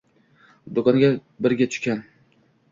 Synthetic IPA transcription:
d̪ʊkɒŋɡʲa | bɪɾɡʲat̪ʰʊ̥ʃkʲan

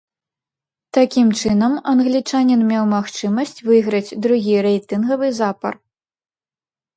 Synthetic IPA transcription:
t̪akʲimt͡ʂɨnɐmɐnɣlʲit͡ʂanʲinmʲewmaxt͡ʂɨmɐsʲt͡sʲvɨɣɾɐt͡sʲd̪ɾuɣʲiɾɛjt̪ɨnɣɐvɨzapɐ̰r

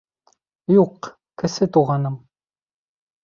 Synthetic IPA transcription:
juq | kɘ̆sɘt̪uʁɑnɤm

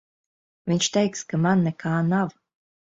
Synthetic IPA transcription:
vʲiɲʲt͡ʃt̪ɛjkskamanːɛkʰaːnaw

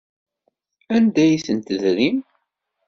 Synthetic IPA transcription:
ænd̪æjisənt̪əðɾim

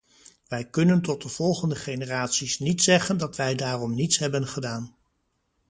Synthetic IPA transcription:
ʋɛjkɵnəntɔt̚dəv̥ɔlˠχəndəχejnəraːtsisnitsɛχəndɑtʋɛjdaːrɔmnitsɦɛbənχədaːn

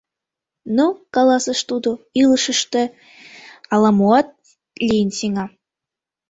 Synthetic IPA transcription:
nukɑlɑsə̆ʃt̪ud̪oilˠɤʃə̆ʃt̪ĕ | ɑlɑmuɑt̪̚ | lʲinʲsiŋɑ

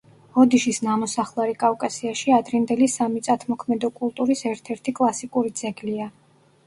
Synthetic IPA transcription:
ɔd̪iʃisnamɔsaχlˠaɾikʼavkʼasiaʃiad̪ɾind̪ɛlisamit̪sʼat̪ʰmɔkʰmɛd̪ɔkʼulˠt̪ʼuɾisɛɾt̪ʰɛɾt̪ʰikʼlˠasikʼuɾid̪zɛɡlia

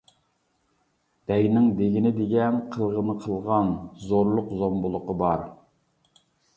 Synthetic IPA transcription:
d̪̥ɛjnɪŋd̪eɡʲinɪd̪eɡʲɛnqʰəlˠʁənəqʰəlˠʁɑnzoɾlˠʊqzombʊlˠʊqəbɑɾ

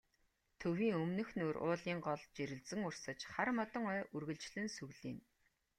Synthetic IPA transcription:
t̪ʰɵwiːŋɵmnɵ̆xnuːrʊ̰ːɮiːŋɢɔɮt͡ɕeɾɘ̆ɮt͡sɘ̆ŋʊr̥sə̆t͡ɕχarmɔt̪ɞ̆ŋœːʔɵrɣɵ̆ɮt͡ɕɮɘ̆nsɵɣɮiːn

